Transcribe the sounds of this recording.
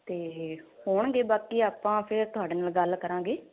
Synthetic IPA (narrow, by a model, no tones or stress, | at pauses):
t̪eːhoːɳ̃ɡeːbaːkiːaːpãːpʰɪɾt̪ʊɦaːɖeːnaːlɡəlkəɾãːŋɡeː